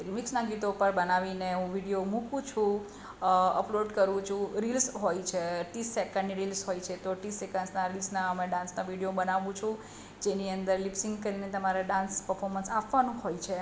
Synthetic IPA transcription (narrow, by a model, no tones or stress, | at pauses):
kmiksnaɡit̪opəɾbənaʋineɦũʋiɽijomũkũt͡ʃʰũ | ə̰ploɖkəɾʋũt͡ʃʰũɾilsɦojt͡ʃʰeʈisːekəɳɖniɾilsɦojt͡ʃʰet̪oʈisekənsnaɾilsnaəmẽɖãnsnaʋiɽijobənaʋũt͡ʃʰũ | d͡ʒeniənd̪əɾlipsĩŋɡkəɾinet̪əmaɾeɖãnspəɾfʰɔɾmənsapʋanũɦojt͡ʃʰe